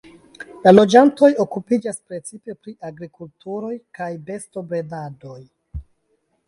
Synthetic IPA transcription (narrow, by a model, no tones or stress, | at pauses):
lalo̞d͡ʒanto̞jo̞kupid͡ʒaspɾe̞t͡sipe̞pɾiʔaɡɾikultuɾo̞jkajbe̞sto̞bɾe̞dado̞j